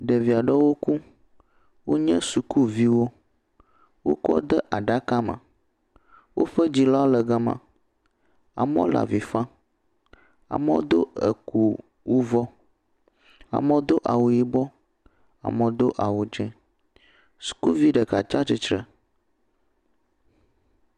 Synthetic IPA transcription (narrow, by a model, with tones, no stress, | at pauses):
ɖə˨vi˨a˨ɖə˦wo˦ku˦ | wo˦ɲɛ̃˦su˨ku˦vi˦wo˦ | wo̰˦kɔ̰˦d̪ə˦ʔa˨ɖa˦ka˦mə̰̃˨ | wo̰˦ɸə˦d͡ʑi˨lɔ˦a˦lə˨ɡə˦mã̰˨ | a̰˨mɔ̰̃˦la̰˨vi˨fã˦ | a̰˨mə̃˦d̪o˦ə̰˨ku˨ | wu˦vɔ˦ | a̰˨mə̃˦d̪o˦ʔa˨wu˨ji˦bɔ˦ | a̰˨mə̃˨d̪o˦ʔa˨wu˨d͡ʒɛ̃˦ | su̥˨ku˦vi˦ɖə˨ka˨t͡ʃa˦t͡ʃi˦t͡ʃɾə˨